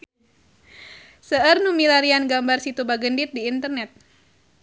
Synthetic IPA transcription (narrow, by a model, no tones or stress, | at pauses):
səərnumilaɾianɡambarsit̪ubaɡəndit̪̚diːnt̪ərnɛt̪̚